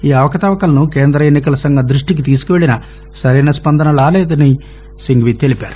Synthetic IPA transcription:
iːɐʋɐkɐt̪aːʋɐkɐlɐnuke̞ːnd̪ɾɐenːik̬ɐlɐsɐŋɡʱɐd̪ɾuʂʈik̬it̪iːsu̥kuʋe̞ɭinɐ | sɐɾiːnɐspɐnd̪ʱɐnɐlaːleːd̪ɐni | siŋɡʋit̪e̞lipa̰ːɾu

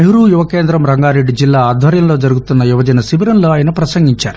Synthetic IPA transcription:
eɦuɾuːjuʋɐkeːnd̪ɾɐmɾɐŋɡaːɾeɖːid͡ʒilːaːd̪ʱʋɐɾjɐnloːd͡ʒɐɾuɡut̪unːɐjuʋɐd͡ʒɐnɐsiʋiɾɐnloːaːjɐnupɾɐsɐŋɡiɲt͡ʃa̰ːɾu

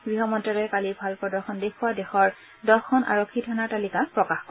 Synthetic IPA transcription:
ɡɹiɦɔmɔntɹalɔjɛkalibʱalpɔdɔɹxʰɔndekʰuwadɛxɔɹ | dɔxɔnʔa̰ɹokʰːitʰanaɹtalikapɹɔkaxk

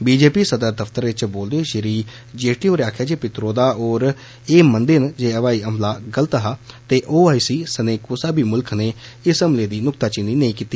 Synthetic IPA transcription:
biːd͡ʒeːpiːsəd̪əɾd̪əft̪əɾɪt͡ʃboːld̪eːʃɪɾiː | d͡ʒeːʈiːoːɾaːkʰjaːd͡ʒeːpɪt̪ɾoːd̪aːoːɾ | eːmənd̪eːnd͡ʒeːəʋaːiːəmlaːɡələt̪ːɦaːt̪eːʔoːaːisiːsəneːkosaːbʱiːmʊlkʰneːɪsəmleːd̪iːnʊkt̪aːt͡ʃɪniːnəĩːkiːt̪ːiː

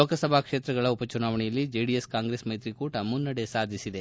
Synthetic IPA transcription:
loːkɐsɐbʱakʂe̞ːt̪ɾɐɡɐɭɐupɐt͡ʃunaːʋɐɳɛjɐlːid͡ʒeɖijeskaːŋɡɾesmɐjt̪ɾikuːʈɐmunːɐɽesaːd̪ʱisid̪e

